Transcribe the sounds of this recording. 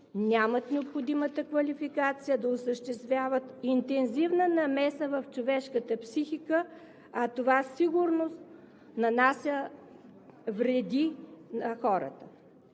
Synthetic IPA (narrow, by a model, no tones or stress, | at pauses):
nʲamət̪nɛopxod̪imət̪əkvɐlifikat̪sijəd̪ɐosəʃt̪ɛst̪vʲjavət̪int̪ɛnzivnənɐmɛsəvɐft͡ʃovɛʃkət̪əpsixikə | ɐt̪ovasiɡʊɾnost̪ | nɐnasʲjə | vɾɛd̪inɐxɔɾə̰t̪ə